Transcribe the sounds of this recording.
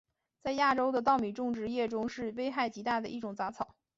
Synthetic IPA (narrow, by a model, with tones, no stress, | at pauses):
t͡sa˥˧ɪja˥˩ʈ͡ʂo˥ʊd̪ə˨t̪̬ɑ˥˩ʊmi˨˩ʈ͡ʂʊ˥˧ŋʈ͡ʂɻ̩˥˧jɛ˥˩ʈ͡ʂʊ˥ŋʂɻ̩˥˩we˥ɪxa˥˩ɪt͡ɕi˧˥t̪a˥˩d̪ə˩ʔi˥˩ʈ͡ʂʊ˨˩ŋt͡sa˧˥t͡sʰɑ˨˩˦ʊ